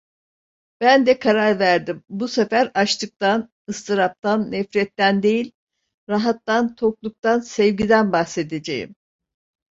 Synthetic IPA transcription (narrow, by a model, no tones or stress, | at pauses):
b̥ænd̪ɛkʰaɾaɾvæɾd̪imbusefæɾaʃt̪ʰɯk̚t̪an | ɯst̪ʰɯɾap̚t̪ʰanːɛfɾɛt̪ːænd̪e̞jilʲ | ɾaɦat̪ːant̪ʰo̞klˠuk̚t̪ansɛvɟid̪ænbahse̞d̪ed͡ʒejḭm